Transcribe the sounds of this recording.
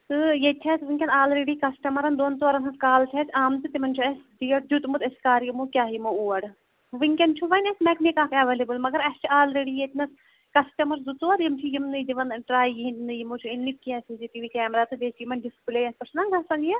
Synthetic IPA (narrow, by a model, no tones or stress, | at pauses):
t̪ɨjet̪ʰɛːt̪ʋiŋkʲɐnaːlɾeːɖikɐsʈɐmɐɾɐnd̪oːnt̪ʋɐɾɐnɦɐskaːlt͡ʃʰɛt͡ʃʰʲaːmt̪ɨt̪imɐnt͡ʃʰuɐsd̪ijɐʈ̚d͡ʒut̪mut̪ɐskaːɾjimukʲaːɦjimɐuːɐɽ | ʋiŋʲkʲɐnt͡ʃʰuʋɐnɐsmɛkmekaːfiɐʋeːlebɨlmɐɡɐɾɐst͡ʃʰiaːlɾeːɖijet̪ʰnɐs | kɐsʈɐmɐɾzut̪uɐɾjimt͡ʃʰijimnɨd̪iʋɐnʈɾaːjjiinnɨjimut͡ʃʰuinːikʲːiɐsiːsiʈiːʋiːkɛːmɾaːt̪ɨd͡ʒeːt͡ʃʰjimɐnɖispileːjɐspɐsʰnɐŋɡɐsɐŋɡjɐ